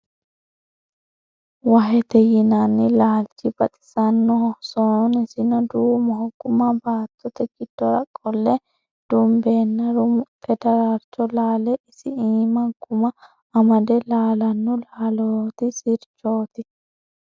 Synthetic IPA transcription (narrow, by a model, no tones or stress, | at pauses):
wɐɦɛt̪ɛjɪnanːɪlaːlt͡ʃːɪbɐt̪ʼɪ̥sɐnːɔhɔhsɔnnɪsɪnɐd̪uːmɔhɔɡ̥ʊmɐbaːt̪ːɔt̪ɛɡɪd̪̥ːɔɾɐkʼːɔlːɛ | d̪̥ʊmbeːnːɐɾʊpʰɛd̪ɐɾaɾt͡ʃːɔlaːlɛɪsɪiːmɐɡʊmɐ | ɐmɐd̪ɛlaːlɐnːɔlaːlot̪ɪsɪɾt͡ʃːo̞ːt̪ɪ